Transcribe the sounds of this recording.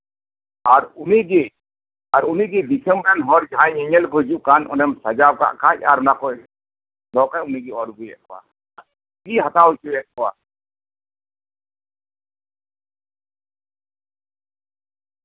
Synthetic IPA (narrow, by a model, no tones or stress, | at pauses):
aɾuniɡi | aɾuniɡid̪isʰɛmbɾɛnɦɔɾd͡ʒaãɲɛɲɛlkɔd͡ʒuʔ̚kanɔ̰nɛmsad͡ʒab̚ka̰ʔkac̚a̰ɾɔnakɔ | d̪ɔkauniɡɛɔɾɡujɛ̰ʔkɔwa̰ | ɡiɦat̪awt͡ʃuwɛʔ̚kɔwa̰